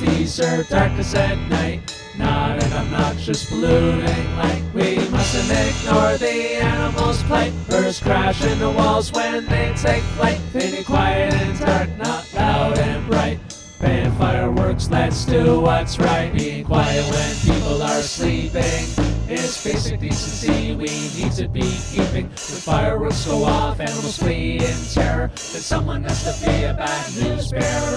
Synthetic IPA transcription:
b̥isɜ˞dɑɹk̚ɨsɛnⁿnaɪt̚ | nəɾɨ̃ñɪ̃mnət̚d̥ʒ̥ʌsb̥luɾɪ̃ŋlaɪkwimʌsɨ̃nɪɡ̚nɔɹðiænəml̩ˠz̥pʰl̥aɪtfɜ˞skʰɹ̥æʃɪ̃nðəwɔlˠzwɨ̃nðeɪseɪklaɪk̚ɪ̃nɨ̃kʰw̥aɪə˞ɾɨ̃nzə˞nət̚laʊɾɨ̃nɹaɪt̚ | pæɨ̃faɪə˞wɜ˞kslɨtsd̥ɨwʌtsɹaɪt̚b̥iɪ̃kʰw̥aɪəd̚wɨ̃npʰipl̩ˠə˞slipɪ̃ŋɪzb̥eɪsɨk̚d̥isɨ̃nsiwinid̚tʰɨbikʰipɪ̃ŋ | ðɨfaɪə˞wɜ˞ksɡ̥oʊɔfɨ̃nwisliɪ̃ntʰɛɹə | ðɨtsʌ̃mwʌ̃nɡʌz̥tʰɨpʰeɪɨbæ | ɪzbɛ

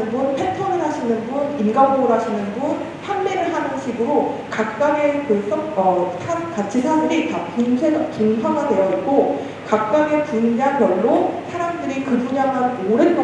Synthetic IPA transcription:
ɯnbunpʰetʰʌnɯɭɦaɕʰinɯnbuninɡamboɾɦaɕʰinɯnbun | çʰjamːeɾɯɭɦanɯnɕʰiɡɯɾokak̚k͈aŋe̞tos͈ʌʌsʰakat͡ɕʰisʰadɯɾitatunsʰeʌt͡ɕunsʰaɡadwe̞jʌit̚k͈o | kak̚k͈aɡe̞tund͡ʑabjʌɭːosʰaɾamdɯɾikɯbuɲamanoɾent͈

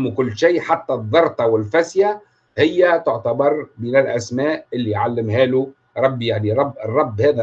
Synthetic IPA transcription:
mkʊlːʃeːʔħat̪ːæðˤːɑɾˤt̪ˤɑwɪlfasja | hɪjːæt̪ʊʕt̪abɑɾˤbiːnɪlʔæsmæːʔʔɪlːijʕalːɪmhæːlu | ɾˤɑbːjaʕniɾˤɑbːɪrˤːɑbːhæːðæ

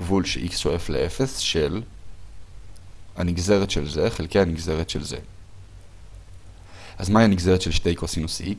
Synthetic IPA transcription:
vulʃeʔiksʃoe̞flḛʔefe̞sʃe̞l | aniɡze̞ʁetʃelzeχelkejhaniɡze̞ʁet̪ʃelze̞̰ | azmaianiɡzeʁetʃelʃtejkosinosi

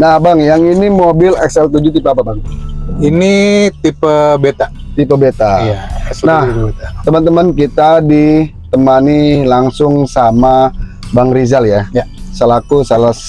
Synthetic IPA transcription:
nahbaŋjaŋinimobɪlɛksɛlt̪ud͡ʒut̪ipapabaŋinit̪ipəbet̪a | t̪ipəbet̪ajanaht̪əmənt̪əmankit̪adit̪əmanilaŋsʊŋsama | baŋɾizaljasəlakusalas

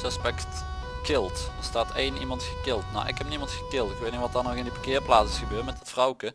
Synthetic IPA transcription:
əspɛkt | kɪlˠtdəɹstaːtejnʔimɑntxə̥kɪlˠtna̰wʔɪ̰khɛp̚nimɑntxə̥kɪlˠtɪkʋeːtnɪʋɑtanɔxɪndipəkɪːɹplaːtsɪsxəbøːrtmɛtətfrɔwkə

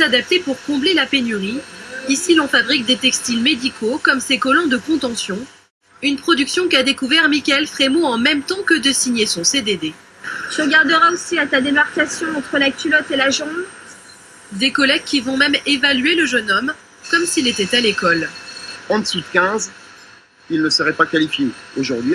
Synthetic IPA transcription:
ad̪ap̚t̪epuʁkɔ̃blelapenyʁiisilɑ̃fabʁik̚d̪et̪ɛkst̪ilmed̪ikʰokɔmsekɔlɔ̃d̪əkɔ̃t̪ɑ̃sjɔ̃ | ynpχɔd̪yksjɔ̃kad̪ekuvɛʁmikʲɛlfχemoɑ̃mɛmt̪ɑ̃kəd̪əsiɲesɔ̃sed̪ed̪e | t̪ʁəɡaʁd̪əʁaosiat̪ad̪emaʁkasjɔ̃ɑ̃t̪χəlakʲylɔt̪elaʒɔ̃b | d̪ekɔlɛɡ̚kʲivɔ̃mɛmevalɥeləʒənɔm | kɔmsilet̪ɛt̪alekɔlɑ̃d̪sut̪kʲɛ̃z | ilnəsəʁɛpakalifjeoʒuʁd̪ɥi

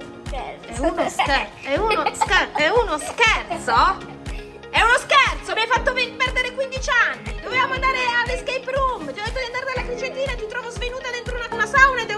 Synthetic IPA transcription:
ɛɛunosɛɛunoskɛɛunoskɛrt̪so | ɛunoskɛrt̪somiajfat̪ːovepɛrd̪eɾekwind̪it͡ʃanːid̪̥ovevamoand̪aːɾealːeskejpɾumt͡ʃ̪ijɔd̪et̪ːod̪iand̪aɾed̪elːakɾit͡ʃent̪iːnat̪it̪ɾɔːvozvenuːt̪ad̪ent̪ɾounanasawnaed̪e

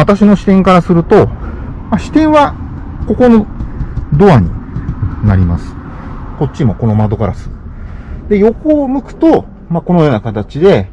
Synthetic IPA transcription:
at̪aɕino̞ɕi̥t̪ẽ̞ŋkaɾasɨɾɯ̟t̪o̞maɕi̥t̪ẽ̞ɰ̃βa | ko̞ko̞no | d̪o̞aɲ̟inaɾʲima̰sɨ̥ko̞t̚t͡ɕimo̞ko̞no̞mad̪o̞kaɾasɨ̥ | d̪e̞jo̞ko̞ːmɯ̟kɯ̟̥t̪o̞ | mako̞no̞jo̞ːnakat̪at͡ɕid̪e̞

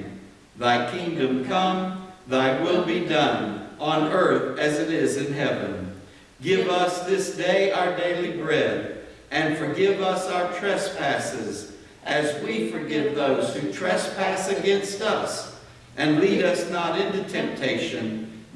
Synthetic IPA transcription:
ðaɪkʰɪ̃ŋdɨ̃mkʰʌ̃mðaɪwɪlˠbidʌ̃nə̃nɜ˞θɨzɨɾɪzɨ̃nɦɛvɨ̰̃n | ɡɪvʌsðɪsd̥eɪʔaʊə˞deɪlibɹɛɾ | ɨ̃nfə˞ɡɪvʌsaʊə˞tʰɹ̥ɛspʰæsɪz | ʔɨzwifə˞ɡɛt̪̚ðoʊz̥hʉtʰɹ̥ɛspʰæsɨɡɛ̃nstʌs | ʔɨ̃nliɾʌsnəɾɪ̃ntʉtʰɛ̃mp̚tʰeɪʃɨ̃n

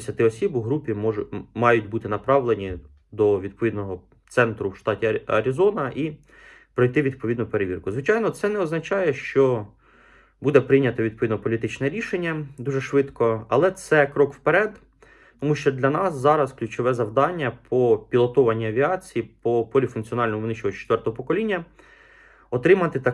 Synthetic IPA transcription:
sʲɐt̪ɪɔsʲibʊɦɾupʲimɔʊmɑjʊtʲbut̪ɪnɐpɾɑʋlˠenʲi | d̪ɔʋʲid̪pɔʋʲid̪nɔɦɔ | t̪sɛnt̪ɾʊwʃt̪ɑtʲiɐ̰ɾʲizɔnɐʔi | pɾɔjt̪ɪʋʲid̪̚pɔʋʲid̪nʊpeɾeʋʲirkʊzʋɪt͡ʃɑjnɔt̪sɛnɛɔznɐt͡ʃɑjɛʃt͡ʃɔ | bud̪ɛpɾɪjnʲɐt̪ɐʋʲid̪pɔʋʲid̪nɔpɔlʲit̪ɪt͡ʃnɛɾʲiʃenʲːɐd̪uʒɛʃʋɪd̪kɔɐ̰lˠɛt̪sɛkɾɔkwpeɾɛd̪ | t̪ɔmuʃt͡ʃɔd̪lʲɐnɑszɑɾɐsklʲut͡ʃɔʋɛzɐwd̪ɑnʲːɐpʰɔpʲilˠɔt̪ɔʋɐnʲːiɐʋʲiɑt͡sʲijipɔpɔlʲifʊnkt͡sʲiɔnɑlʲnɔmʊʋnɪʃt͡ʃɔɦɔt͡ʃɛ̥t̪ʋɛrt̪ɔɦɔpɔkɔlʲinʲːɐ | ɔt̪ɾɪmɐt̪ɪt̪ɐ

